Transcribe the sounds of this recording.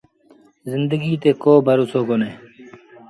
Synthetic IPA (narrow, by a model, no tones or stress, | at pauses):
zɪnd̪əɡiːt̪eːkoːbʱəɾusoːkoneː